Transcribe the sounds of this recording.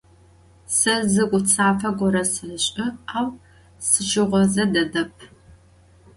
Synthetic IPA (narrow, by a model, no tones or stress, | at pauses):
sɐzɨkʷʼʊt͡sʰaːfɐɡʷɔɾɐsɨrɨɕʼɪaːw | sɨt͡ʃʼɪʁʷɔzɐdɐdɐpʰ